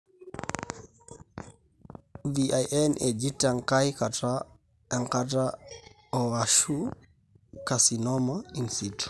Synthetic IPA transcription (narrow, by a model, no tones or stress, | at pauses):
viʔajʔɛnɛd͡ʒitaŋkajkata | ɛŋkata | ɔaʃu | kasinɔmainsitu̥